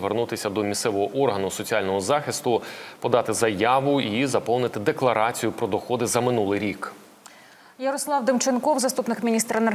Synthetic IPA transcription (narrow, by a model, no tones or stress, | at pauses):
ʋernut̪ɪsʲɐd̪ɔmʲist̪sɛʋɔɦɔʔɔrɦɐnʊsɔt͡sʲialʲnɔɦɔzɑxʲɪst̪ʊpɔd̪ɑt̪ɪzɐjɑʋʊizɐpɔwnɪt̪ɪd̪eklˠɐɾɑt͡sʲijʊpɾɔd̪ɔxɔd̪ɪzɐmɪnulˠɪjɾʲik | jɐɾɔslˠɑwd̪ɪmt͡ʃenkɔwzɐst̪upnɪkmʲinʲist̪ɾɐene